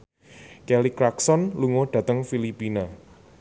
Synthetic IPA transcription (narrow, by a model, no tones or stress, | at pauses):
kɛlikɾaksɔnluŋoɖ̪̥ä̤t̪əŋfilipina